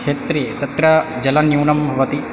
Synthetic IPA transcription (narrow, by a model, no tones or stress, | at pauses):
eːt̪ɾit̪ɐt̪ɾɐd͡ʒɐlɐnjuːnɐmbʱɐʋɐt̪i